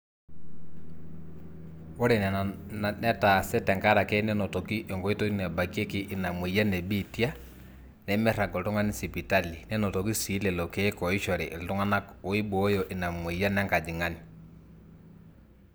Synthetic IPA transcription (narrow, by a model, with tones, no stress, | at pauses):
o˦ɾɛ˨nɛ˨nnɛ˦ta˨sɛ˦tɛ˨ŋɡa˦ɾa˨kɛ˦nɛ˦nɔ˨tɔ˨ki˦ʔɔ˨ŋɡɔ˨˦i˦tɔ˦i˦nɛ˨ba˨ki˦e˦ki˦ʔːna˨mwe˨ja˦nɛ˨bi˦˨ti˦a˦ | nɛ˨˦mɛ˦ɾa˨ɡɔ˨tɔ˦ŋa˦ni˦si˨pi˨ta˦li˨nɛ˦nɔ˨tɔ˨ki˦si˨˦lɛ˨lɔ˨ke˦kɔ˨i˦ʃɔ˨ɾɛ˨ʔltɔ˦ŋa˦na˦o˨˦i˦bɔ˨˦jɔ˨ʔe˨na˨mwe˨ja˦nɛ˦ŋɡa˨d͡ʒi˨ŋa˦ni˨